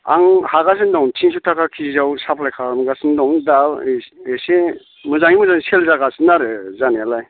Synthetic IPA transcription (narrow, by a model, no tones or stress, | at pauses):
a̰ŋhaɡas̬ɯndɔŋtʰins̬utʰakʰakʰizawsapʰlajkʰaɾɯmɡasɯndɔŋdaese | mɯzaŋimɯzaŋselzaɡasɯnaɾɯzanealaj